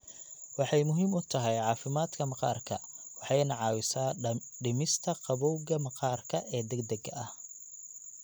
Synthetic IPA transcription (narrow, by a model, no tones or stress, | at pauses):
wɑħɑjmʊɦiːmʊt̪ʰɐɦɛjʕɑːfɪmaːd̪kʰɐmɑqɑ̰ːrkʰɐ̰wɑħɑjnɐʕɑːwɪsaːɖɪmɪst̪ʰɐqɑβɔwɣɐmɑqɑːrkʰɐʔɛːd̪ɛɡd̪ɐɡɐɐh